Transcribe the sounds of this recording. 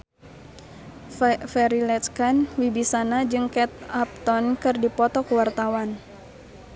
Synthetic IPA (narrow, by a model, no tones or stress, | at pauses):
fɛɾilɛt̪kanwibisanad͡ʒɨŋkɛt̪̚ap̚t̪ɔnkɨrdipɔt̪ɔkuwart̪awan